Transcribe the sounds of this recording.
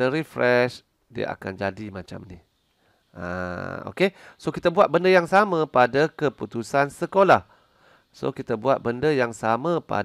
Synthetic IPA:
əɾifɾɛʃ | diə̰ʔa̰kand͡ʒadimat͡ʃa̰mnih | ʔa̰o̰kesokit̪əbuat̪̚bəndəjaŋsamə̃padakəput̪usansəkolah | so̰kit̪əbuat̪̚bəndəjaŋsamãpa̰

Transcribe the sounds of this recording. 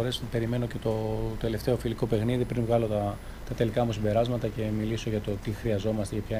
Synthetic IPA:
ɾe̞spe̞ɾime̞no̞ce̞t̪o̞t̪e̞le̞ft̪e̞o̞filiko̞pe̞xniðipɾinvɣɐlo̞t̪ɐ | t̪ɐt̪e̞likɐmusibe̞ɾɐzmɐt̪ɐce̞miliso̞ʝɐt̪o̞t̪ixɾiɐzo̞mɐst̪ecepçɐ

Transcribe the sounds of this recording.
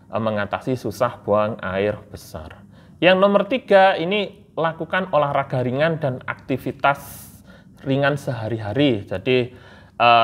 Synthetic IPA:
ʔəməŋat̪a̰sisusahb̥oaŋa̰ɪrb̥əsa̰r | jaŋnɔmərt̪iɡ̥aini | lakukanolahraɡ̥a̤ɾiŋandana̰k̚t̪ifit̪as | riŋansəɦaɾiɦaɾid͡ʒadi | ʔə

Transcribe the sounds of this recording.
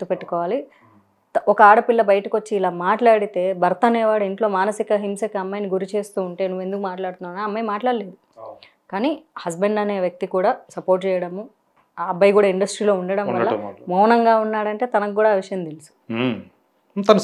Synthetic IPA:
t̪ːupe̞ʈːu̥kɔːʋaːli | ɔkɐaːɽɐpilːɐbɐjɐʈɐko̞t͡ʃːiːlaːmaːʈlaːɽit̪e̞ːbʱɐɾt̪ɐnɛːʋaːɽuiɳʈlo̞ːmaːnɐsikɐɦimsɐkɐɐmːɐːjniɡuɾit͡ʃe̞ːst̪uːɳʈe̞ːnuʋːe̞nd̪ukumaːʈlaːɽt̪unːaːnaɐmːɐjmaːʈlaːɽileːd̪u | kaːnihɐsbeɳɖɐne̞ːʋjɐk̚t̪ikuːɽaːsɐpo̞ːɾʈt͡ʃɛːjɐɽɐmuː | bʱɐjkuːɽaːiɳɖɐsʈɾiːlo̞ːuɳɖɐɽɐmʋɐlːɐmɔːɦnɐŋɡaːunːaːɽɐɳʈe̞ːt̪ɐnɐkukuːɽaːʋiʂɐjɐmt̪elisu̥ | t̪ɐnɐ

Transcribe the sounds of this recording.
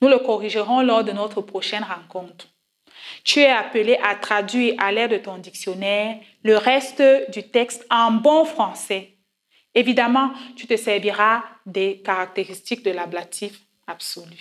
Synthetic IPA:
nuləkɔʁiʒəʁɔ̃lɔʁd̪ənɔt̪χəpχoʃɛnʁɑ̃kɔ̃t̪χ | t̪yɛapəleʔat̪χad̪ɥiːʁalɛʁd̪ət̪ɔ̃d̪iksjɔnɛːʁ | ləʁɛst̪d̪yt̪ɛkst̪ɛ̃bɔ̃fχɑ̃sɛ | evid̪amɑ̃t̪yt̪əsɛʁviʁad̪ɛkaʁak̚t̪eʁist̪ik̚d̪əlablat̪ʰif | absoly

